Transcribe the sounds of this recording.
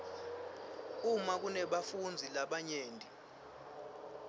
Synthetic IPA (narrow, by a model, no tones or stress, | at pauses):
umak̬unɛɓafund͡zʱilaɓaɲeːndʱi